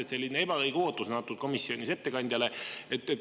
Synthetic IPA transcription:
et̪se̞lʲːinee̞bɑkɤjɡ̥eo̞ːt̪ˑːusnɑt̪ːˑu̥ko̞misːio̞nʲise̞t̪ːe̞kɑnʲd̪̥ʲjɑle̞et̪ːˑet̪

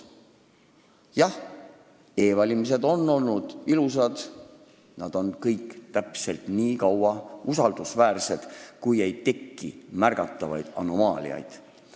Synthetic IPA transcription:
jɑh | e̞ːvɑlʲimis̬e̞d̪̥o̞nːo̞lnud̪̥ilus̬ɑd̪̥ | nɑd̪̥o̞nkɤjkt̪æpse̞lt̪niːkɑwɑusɑld̪usvæːrse̞d̪̥kuje̞jt̪e̞kːimærɡ̥ɑt̪ˑːɑvɑ̰jd̪̥ɑ̰no̞mɑːlʲḭɑ̰jd̪̥

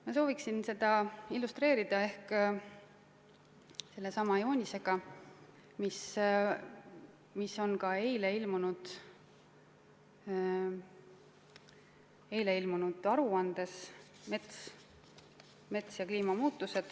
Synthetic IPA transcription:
mɑso̞ːviksinse̞d̪̥ɑilːust̪re̞ːɾid̪̥ɑe̞hk | se̞lːe̞sɑmɑjo̞ːnʲise̞ɡ̥ɑ | mis | misːo̞nkɑe̞jle̞ilmunud̪̥ | e̞jle̞ilmunud̪̥ɑɾuɑnd̪̥e̞s | me̞t̪s | me̞t̪sjɑkliːmɑmuːt̪ːˑuse̞d̪̥

